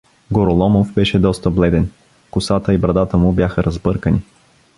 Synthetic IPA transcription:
ɡoɾolˠɔmovbɛʃɛd̪ɔst̪əblɛd̪ɛn | kʊsat̪əibɾɐd̪at̪əmʊbʲjaxəɾʔɐzbɤɾkəni

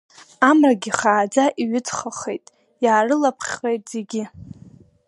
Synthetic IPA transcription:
amraɡʲɪχaːd͡zaʔiɥʏt͡sχaχejtʼ | jaːrɨlapʰχʲrejtʼz̥eɡʲɪ

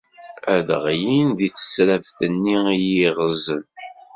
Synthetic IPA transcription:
æðʁjinðiθə̥sɾævθənːiijiʁəzːən

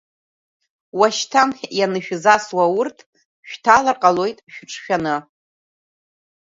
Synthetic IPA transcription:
waʃtʰamχʲjanɨʃᶣzaswawʊrtʰ | ʃᶣtʰalarqʼalo̞jtʼʃᶣʊʈ͡ʂʼʰʃᶣanɨ

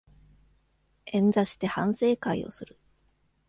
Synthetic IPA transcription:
ẽ̞nd͡zaɕi̥t̪e̞hã̰ɰ̃se̞ːkaḭo̞̰sɨɾɯ̟

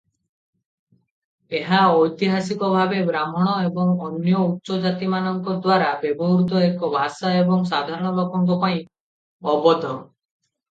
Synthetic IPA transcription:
eɦaɔjt̪iɦasikɔbʱabebɾamɔɽ̃ɔebɔŋɔnjɔutːsɔd͡ʒat̪imanɔŋkɔd̪waɾabebɔɦɾud̪ʱɔekɔbʱasaebɔŋsad̪ʱaɾɔɽ̃ɔlɔkɔŋkɔpaĩ | ɔbɔd̪ʱɔ

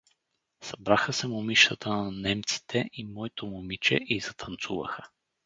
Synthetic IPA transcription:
sɐbɾaxəsɛmʊmiʃt̪ət̪ʰənɐnɛmt̪si̥t̪ʰɛʔimɔit̪omomit͡ʃɛ̰ʔizɐt̪ʰɐnt̪sṵvə̰xə

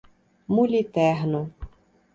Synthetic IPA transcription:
mulʲit̪ɛɦnʊ

